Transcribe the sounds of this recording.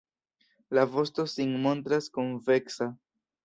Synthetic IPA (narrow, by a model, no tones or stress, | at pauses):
lavo̞stosiŋmo̞ntɾaskunve̞ksa